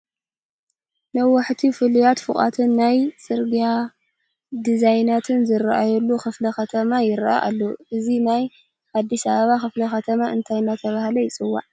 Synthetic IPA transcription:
nɐwaħt̪ʰifɨlujat̪fɨχʼa̰t̪ʰɨnːajsʼɨɾɡija | d̪izajnat̪ʰɨnzɨɾaʔajɛlːuxɨflɐxɐt̪ʰɐmajɪɾʔa̰ʔalːoʔɨzinaj | ʔad̪ːisɐβɐβaxɨflɐxɐt̪ʰɐmaɨnt̪ʰajnat̪ʰɐβahlɐjɪt͡sʼɨwːa̰ʕ

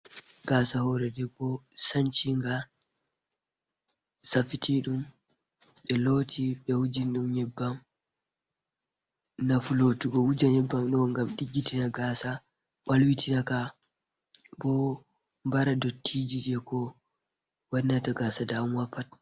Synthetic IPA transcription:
ɡaːsahɔɾɛdɛbɔsaɲt͡ʃiŋɡa | safitʰiɗum | ɓɛlotʰiɓɛwud͡ʒinɗumɲɛbːam | nafulotuɡɔwud͡ʒaɲɛbːamɗɔŋɡamɗiɡːitinaɡasa | ɓalwitinaka | bɔ | mbaɾadɔtʰːid͡ʒidɛkɔ | wanːataɡasadaumwapːat̚

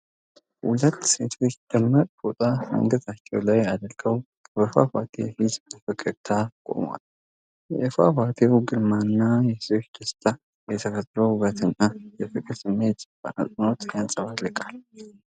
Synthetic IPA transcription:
hṵlət̪ːse̞t̪ʰo̞t͡ʃːd̪̥əmːəɾʼbot̪ʼamə̰ŋɡət̪ʰat͡ʃːɛwlajad̪əɾɡ̥əw | bəfa̰fat̪ʰehizb̪fɨkʼːəɾt̪ʰakʼo̞̰mwa̰l | jɛʔefa̰fat̪ʰewɡɨɾmanːajɛsoʃd̪əst̪ʰa | jɛt̪ʰəkət̪ʼːɾohuβət̪ʰɨnːajɛfɨkʼɨɾsɨmːe̞t̪b̥a̰nə̰sʼɨno̞t̪jansʼəβalɨkʼal

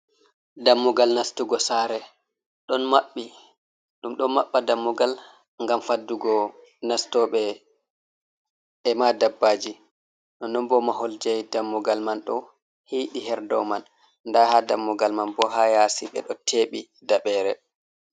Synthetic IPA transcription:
damːuɡalnastuɡɔsaɾɛ | ɗɔnmaɓːi | ɗumɗɔnmaɓːadamːuɡal | ŋɡamfadːuɡɔ | nastɔɓɛ | ɛmadabːaːd͡ʒi | ɗɔnɔmbɔmaɦold͡ʒɛjdamːuɡalmanɗɔ | hiːɗiɦɛɾdɔman | ndahadamːuɡalmanbɔɦajasiɓɛ̰ɗɔtʰeːɓi | daɓɛːɾɛ

